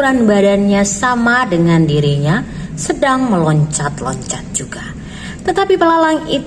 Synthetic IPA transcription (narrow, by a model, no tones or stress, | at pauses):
ɾanbadanɲasamadəŋandiɾiɲasədaŋməlɔɲt͡ʃat̪lɔ̰ɲt͡ʃat̪̚d͡ʒuɡa | t̪ət̪apipəlalaŋi